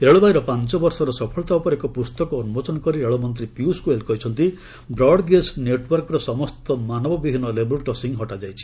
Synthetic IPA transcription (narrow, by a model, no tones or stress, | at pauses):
eɭɔbaiɾɔpant͡ʃɔbɔɾsɔɾɔsɔpʰɔɭɔt̪aupɔɾekɔpust̪ɔkɔːnubɔt͡ʃɔnɔkɔɾieɭɔmɔnt̪ɾipjuskuelkɔɦit͡ʃʰɔnt̪i | bɾɔɽɡesneʈwɔɾkɔɾɔsɔmɔst̪ɔmanɔbɔbibʱinːɔlebɔlkɔsiŋɦɔʈad͡ʒajt͡ʃʰi̥